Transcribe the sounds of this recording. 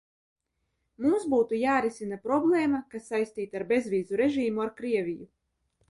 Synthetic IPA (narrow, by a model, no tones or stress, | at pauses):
mumsbuːt̪ujaːɾisinapɾɔblˠeːmakasːajsʲt̪iːt̪aɾbe̞zvʲiːzuɾeʒiːmuaɾkɾiɛvʲiju